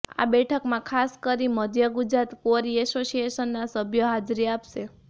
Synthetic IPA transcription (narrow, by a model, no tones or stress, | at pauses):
a̰bɛʈʰəkmãkʰaskəɾiməd̪ʱjəɡud͡ʒɾat̪koɾiɛsosieʃənːasəbʱjoɦad͡ʒɾiapʃe